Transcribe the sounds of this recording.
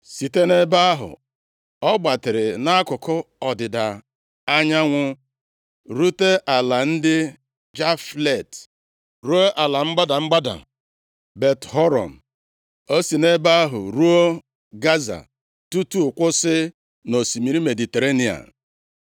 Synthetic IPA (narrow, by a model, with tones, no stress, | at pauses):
si˨te˦ne˦ba˦a˦ɦʊ̰˨ | ɔ˦ɡ͡ba˨tɪ˨ɾɪ˨na˦a˦kʊ˨kʊ˦ɔ˨dɪ˨da˨ | a˦ɲa˦ŋʷʊ˦ | ɾu˦te˦ʔa˨la˨n̩˦dɪ˦ | d͡ʒa˦fle˨t | ɾu˦o˦ʔa˨la˨ŋ͡m̩˦ɡ͡ba˦da˨mŋ͡m̩˦ɡ͡ba˦da̰˨ | be˨tɦɔ˦ɾɔ̰˨m̩˨ | o˦si˨ne˦ba˦a˦ɦʊ̰˨ɾu˦o˦ | ɡa˦za̰˨ | tu˦tu˦ʊ˨kʷʊ˦sɪ˦ | no˨si˨mi˨ɾi˦me˨di˨te˨ɾe˦ni˨a̰˨